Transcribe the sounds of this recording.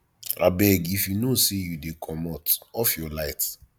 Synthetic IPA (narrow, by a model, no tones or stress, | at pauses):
ɾʔa̰bɛɡifjunosejudekʰɔmɔtɔfjɔlaɪt